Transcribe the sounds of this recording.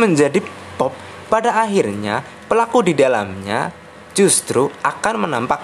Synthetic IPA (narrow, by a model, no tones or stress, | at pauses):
məɲd͡ʒadi | pɔp̚ː | adaʔaɦirɲa | pəlakudidalamɲa̰ | d͡ʒust̪ɾuʔakanmənampak̚